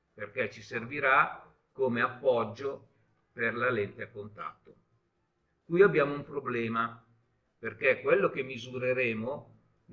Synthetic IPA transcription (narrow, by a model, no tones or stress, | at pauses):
perket͡ʃːiserviɾa | komeapːɔd͡ʒːo | perlalent̪eakːont̪a̰t̪ːo | kujabjaːmoumpɾoblɛːma | perkekːwelːok̟emːizuɾeɾeːmo | n